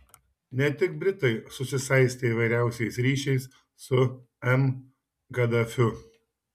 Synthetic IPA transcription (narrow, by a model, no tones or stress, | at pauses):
nʲɛt̪ʲɪk̚bʲɾʲɪt̪ɐɪsʊsʲɪsɐɪsʲt̪ʲeiːʋɐɪɾʲæˑʊsʲɛɪsɾʲiːʃʲɛɪs | sʊ | ɛm | ɡɐd̪ɐfʲʊ